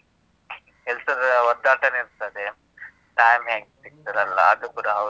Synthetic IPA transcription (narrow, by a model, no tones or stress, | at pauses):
ɛlsɐɾʋɔd̪aːʈɐniɾt̪ɐd̪e | ʈaːjmɦeːŋɡsik̚t̪ɐd̪ɐlːɐ̰ɐd̪ukuːɽɐː